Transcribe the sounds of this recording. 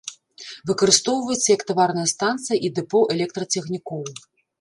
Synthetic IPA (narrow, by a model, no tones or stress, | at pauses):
vɨkɐɾɨst̪ɔwvɐjut̪sːɐjɐkt̪avarnɐjɐst̪ant̪sɨjɐʔid̪ɛpɔʔɛlʲɛk̚t̪ɾɐt͡sʲɛxnʲikɔw